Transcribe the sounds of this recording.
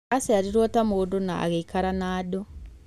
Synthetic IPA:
aseaɾiɾɔtamodona̰a̰ɣeikaɾanaːdo

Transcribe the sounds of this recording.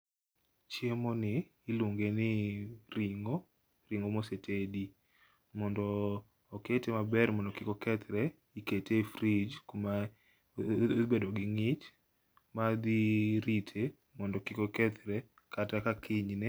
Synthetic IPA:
t͡ʃjemonɪː | luŋɡenɪɾiŋo | ɾiŋɡomɔsetʰedi | mɔndɔː | ketemabɛrmɔndɔkɪkɔkɛt̪ɾɛ | iketefɾid͡ʒkoma | bedɔɡɪŋɪt͡ʃ | mad̪iɾitʰe | mɔndɔkɪkɔkɛt̪ɾɛ | katakakʰɪɲnɛ

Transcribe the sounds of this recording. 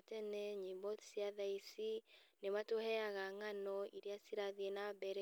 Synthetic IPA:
tɛnɛɲimbɔtsiaðaisinematohɛaɣaŋanɔiɾeasiɾaðienabɛɾɛ

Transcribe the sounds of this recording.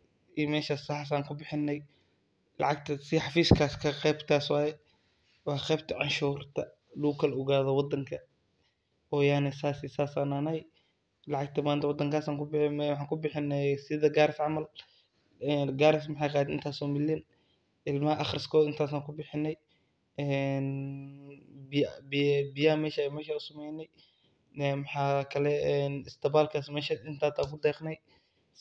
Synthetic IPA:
iːmɛːʃaːsːɑħɑs̬aːŋkʰʊbɪħɪnːɛj | lɑ̰ʕɑɡt̪ʰɐsɪħɑfiːskʰaːskʰɐqɛjbt̪ʰaːswɑːjɛ | wɑːqɛjbt̪ʰɐʕɑnʃuːrt̪ʰɐ | lukʰɐlʊɣaːðɐwɑd̪ːɐŋkʰɐ | ɔːjaːnɪsaːsɪsaːsananɐj | lɑʕɑɡt̪ʰɐmaːnt̪ɐwɑd̪ɐŋkaːsaːŋkʊbɪwɑħɑːŋkʰʊbɪħɪnːɛjsɪðɐɡaːɾɪsʕɑmɐl | ɛːnɡaːɾɪs̬mɪħɑjqaːɪnt̪ʰaːsɔːmɪlɪn | ʔɪlmɐɦɐʔɑχrɪskʰɔːd̪ɪnt̪ʰaːsaːŋkʰʊbɪħɪnːɛj | ɛːn | bɪjabɪbɪjamɛːʃajmɛːʃaʊsɐmɛjnɛj | ɛːmɑħaːkʰɐlɛɛnɪst̪ʰɐbaːlkʰaːsmɛːʃɐɪnt̪ʰaːt̪ʰaːkʰʊd̪ɛːqnɛj

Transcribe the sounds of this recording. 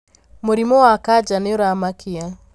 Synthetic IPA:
moɾimɔwakad͡ʒaneoɾamakia

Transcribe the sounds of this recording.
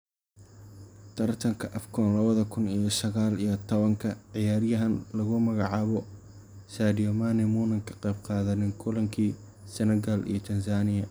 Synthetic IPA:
t̪ʰɐrt̪ʰɐŋkʰɐʔɐfkʰɔnlɐβɐðɐkʰʊnijɔsɐɣaːlijɐt̪ʰɔβɐŋkʰɐʕɪjaːɾjɐɦɐnlɐɣʊmɐɣɑʕɑːβɔ | sadijɔmaːnɛmuːnɐŋkʰɐ̥qɛjb̚qɑːðɐnɪŋkʰʊlɐŋkʰiː | sɛnɛɣɐlḭjɞt̪ʰɐnsaːnɪjɐ

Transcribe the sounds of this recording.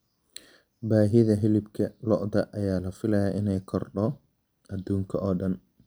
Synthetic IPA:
baːɦɪðɐɦɛlɪbkʰɐlɔʔðɐʔɐjaːlɐfɪlɐjɐʔɪnɛjkʰɔrɖɔ | ɐd̪uːŋkʰɐʔɔːɖɐn

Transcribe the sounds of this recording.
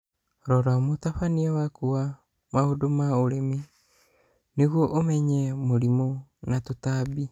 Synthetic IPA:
ɾoɾamot̪aɸaniawakua | mahodomaoɾemi | niɣuoʔomeɲemoɾimonat̪ut̪abi

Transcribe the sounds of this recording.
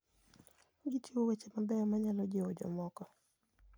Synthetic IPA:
ɡitʰiwowet͡ʃemabɛɔmaɲalɔd͡ʒɪod͡ʒɔ̰mɔkɔ

